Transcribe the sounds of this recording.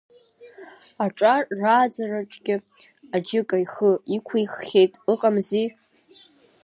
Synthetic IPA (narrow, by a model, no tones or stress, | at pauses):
aʈ͡ʂʼarːaːd͡zaraʈ͡ʂʼɡʲɪ | ad͡ʒɪkʼaiχəikʷʰajχːʲejtʼɨqʼamzi